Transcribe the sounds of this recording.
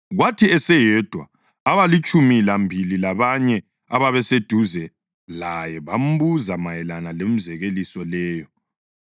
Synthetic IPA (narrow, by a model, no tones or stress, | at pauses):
ɣwatʰiɛsɛjɛd̥ʱwa̰ː | βalit͡ʃʼumilambʱililaβaɲɛ | aβaβɛsed̥ʱuzɛ | lajɛβam̩buzamajɛlanalem̩zɛɣelisɔlɛːjɔ